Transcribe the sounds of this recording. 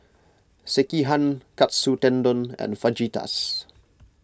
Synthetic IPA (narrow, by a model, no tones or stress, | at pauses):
sɛkiɦãnkatsutɛ̃ndɔ̃nɛ̰̃nfad͡ʒita̰s